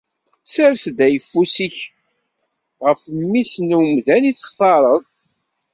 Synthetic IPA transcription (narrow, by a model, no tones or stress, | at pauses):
sæɾsd̪æjəfːusiç | ʁəfmːisnwmðæniθəχθɑɾˤəðˤ